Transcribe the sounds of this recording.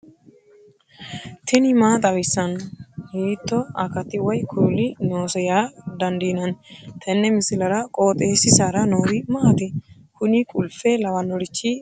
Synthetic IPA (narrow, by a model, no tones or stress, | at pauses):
t̪ʰɪnɪmaːt̪ʼɐwɪsːɐnhiːt̪ːɔɐkɐt̪ːɪwɔjkʰulɪnoːsɛjaːd̪ɐnd̪inɐnt̪ʰɛnːɛmɪsɪlɐɾɐkʼoːt̪ʼeːsɪsaɾɐnoːɾɪmɐʔɐt̪ɪ | hʊnɪkʼʊlfɛlɐwɐnɔɾɪt͡ʃːi